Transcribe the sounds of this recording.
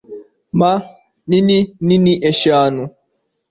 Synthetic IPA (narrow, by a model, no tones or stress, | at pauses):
ma | ninininiʔeʃanʊ